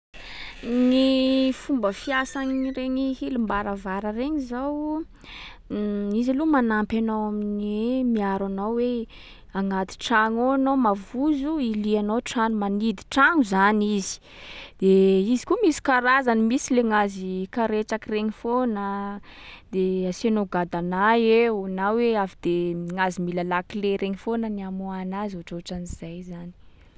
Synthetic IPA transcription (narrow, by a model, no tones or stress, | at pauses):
nifumbəfiasaŋɾeɲihilumbaɾavaɾəreɲizaw | izilumanampanawaminiemiaɾanawwe | aŋat̪i̥ʈ͡ʂaŋoanowmavuzuilianawʈ͡ʂanumanid̪i̥ʈ͡ʂaŋuzanizi̥ | d̪̥eizi̥kumisi̥kaɾazanimisileŋazikaɾeʈ͡ʂakireŋifonə | d̪easianoɡad̪anajeunaweavid̪eŋazimilalakileɾeŋifonəniamuanazoʈ͡ʂoʈ͡ʂaniz̥ajzani̥